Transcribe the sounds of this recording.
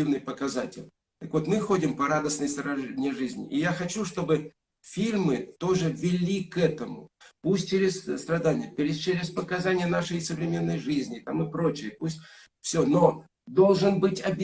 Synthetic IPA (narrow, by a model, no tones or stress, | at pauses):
ivnɨjpəkɐzatʲɪ̰lʲ | t̪əkvo̞t̪mɨxo̞dʲɪmpɐɾad̪əsnɨjst̪ɾɐʐɛnʲɪjəʐɨzʲnʲɪ̰ʔɪjaxɐt͡ɕuʂt̪o̞bɨ | fʲilʲmɨt̪o̞ʐɨvʲɪlʲikɛt̪əmʊ̰pusʲt̚ʲt͡ɕeɾʲɪsst̪ɾɐd̪anʲɪjəpʲɪɾʲɪt͡ɕeɾʲɪspəkɐzanʲɪjənaʂɨjsəvɾʲɪmʲe̞nːəjʐɨzʲnʲɪt̪amɨpɾo̞t͡ɕɪjəpusʲtʲ | fsʲono̞ | d̪o̞lˠʐɨnbɨtʲɐbʲ